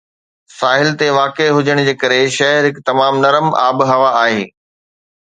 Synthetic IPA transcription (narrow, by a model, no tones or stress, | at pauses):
saːɦɪlt̪eʋaːkeɦʊd͡ʑəɽ̃d͡ʑeːkɐɾeʃɐɦəɾɦɪkt̪ɐmaːmnɐɾəma̰ːbɦɐʋaaːɦeː